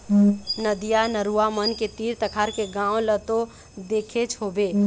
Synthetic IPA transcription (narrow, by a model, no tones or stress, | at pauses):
nəd̪ijanəɾuamənket̪iːɾt̪əkʰaɾkeɡãːõlət̪o | d̪eːkʰet͡ʃʰɦobe